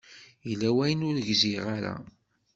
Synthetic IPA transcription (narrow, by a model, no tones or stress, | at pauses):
jəlːæwæjənʊɾʝziʁaɾa̰